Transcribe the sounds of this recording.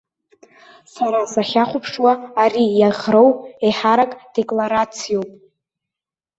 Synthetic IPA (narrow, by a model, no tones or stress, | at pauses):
saɾasaχʲaχʷʊpʰʂwaːrijaʁro̞weħaɾakʼd̥e̞kʼlaɾat͡sʰijo̞wpʼ